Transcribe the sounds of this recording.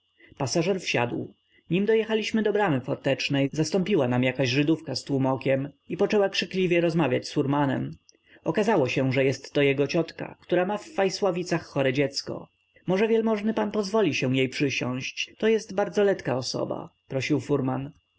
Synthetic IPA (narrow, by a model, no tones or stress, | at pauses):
pasaʐɛɾfɕa̰d̪w | ɲimd̪ɔjɛxalʲiɕmɘd̪ɔbɾamɘfɔɾt̪ɛt͡ʂnɛjzast̪ɔ̃mpʲiwanamjakaʑʐɘd̪ufkast̪wumɔkʲɛmipɔt͡ʂɛwakʂɘklʲivʲjɛɾɔzmavʲjat͡ɕsuɾmanɛ̰m | ɔkazawɔɕɛʐɛjɛst̪ːɔjɛɡɔt͡ɕɔt̪ka̰kt̪uɾamafːajswavʲit̪saxːɔɾɛd͡ʑɛt̪skɔ̰ | mɔʐɛvʲjɛlmɔʐnɘpanpɔzvɔlʲiɕɛ̃jejpʂɘɕɔ̰̃w̃ɕt͡ɕt̪ɔjɛst̪baɾd̪zɔlɛt̪kaɔsɔ̰ba̰pɾɔɕiwfuɾman